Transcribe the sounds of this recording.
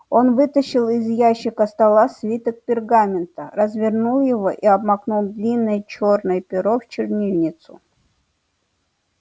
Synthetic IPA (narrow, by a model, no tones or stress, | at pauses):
o̞nvɨt̪əɕːɪlˠɪzjæɕːɪkəst̪ɐlˠasvʲit̪ək̚pʲɪrɡamʲɪnt̪əɾəzvʲɪrnulˠjɪvo̞ʔiɐbmɐknulˠd̪lʲinːəjt͡ɕo̞rnəjpʲɪɾoft͡ɕɪrnʲivnʲɪt̪sʊ̰